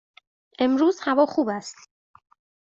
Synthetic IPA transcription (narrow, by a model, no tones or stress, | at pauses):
ʔe̞mɾuːzhævɒːxuːbæst̪